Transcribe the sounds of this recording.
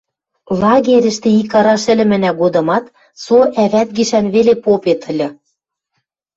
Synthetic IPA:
lɑɣeɾʲɘ̆ʃt̪ĕikɑɾɑʃɘ̆lʲɘ̆mɘ̆næɡod̪ɤ̆mɑt̪ | soʔæβæt̪̚ɡiʃænβelepopet̪ʰə̆lʲɤ̆

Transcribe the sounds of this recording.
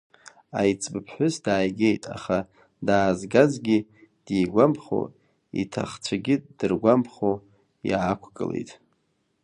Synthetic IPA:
ajt͡sʼbɨpʰħʷʊsdaːjɡʲejtʼa̰χa | daːzɡazɡʲid̥iːɡʷampʰχo̰ | ḭtʰa̰χt͡sʷʰaɡʲɪd̥ɨrɡʷampʰχo | jakʷʰkʼɨ̰lḛjtʼ

